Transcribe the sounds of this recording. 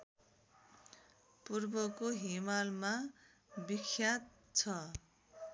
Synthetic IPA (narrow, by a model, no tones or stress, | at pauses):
purbʌkoɦimalma | bikʰjat̪̚ | t͡sʰʌ